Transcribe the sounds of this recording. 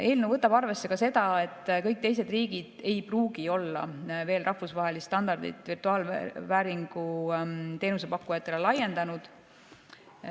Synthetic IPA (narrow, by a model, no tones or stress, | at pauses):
e̞ːlnuvɤt̪ːˑɑbɑrve̞sːe̞kɑse̞d̪ɑe̞t̪ːˑkɤjk̚t̪e̞jse̞d̪̥riːɡ̥id̪̥e̞jpruːɡio̞lːɑ̰ve̞ːlrʔɑhfusvɑɦe̞list̪ɑnd̪̥ɑrd̪ḭt̪ˑvirt̪uɑːlvæːɾiŋɡ̥ut̪e̞ːnus̬e̞pɑkːujɑt̪ːˑelelɑje̞nd̪̥ɑnud̪̥